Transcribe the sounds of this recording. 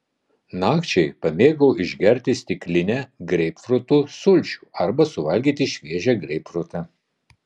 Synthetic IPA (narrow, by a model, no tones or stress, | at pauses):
nɑːkt͡ʃʲɛɪpɐmʲeːɡɐʊɪʒʲɡʲɛɾʲt̪ʲɪsʲt̪ʲɪklʲɪnʲɛɡɾʲɛɪpfɾʊt̪uːsʊlʲt͡ʃʲuːɐɾbɐsʊʋɐlʲɡʲiːt̪ʲɪʃʲʋʲiɛʒʲɛɡɾʲɛɪpfɾʊt̪ɐ